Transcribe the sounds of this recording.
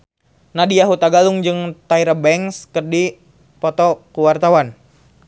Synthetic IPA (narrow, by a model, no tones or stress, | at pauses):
nadiaɦut̪aɡaluŋd͡ʒɨŋt̪aiɾabɛŋskərdi | pɔt̪ɔkuwart̪awan